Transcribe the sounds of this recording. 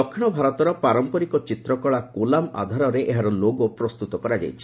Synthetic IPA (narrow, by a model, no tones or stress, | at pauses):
ɔkʰːiɽ̃ɔbʱaɾɔt̪ɔɾɔpaɾɔmpɔɾikɔt͡ʃit̪ɾɔkɔɭakolama̰d̪ʱaɾɔɾeʔeɦaɾɔloɡopɾɔst̪ut̪ɔkɔɾad͡ʒa̰jt͡ʃʰi̥